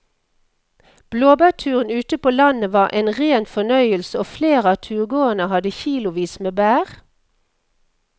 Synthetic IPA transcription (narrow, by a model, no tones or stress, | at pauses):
b̥loːbæt̪ʰʉːʁənʉːt̪əpoːlɑnəʋɑːʔeːnʁeːnfɔnœʏəlsəoːfleːʁəɑːt̪ʰʉːʁɡoːənəhɑd̪əçiːlʊʋiːsmeːbæːʁ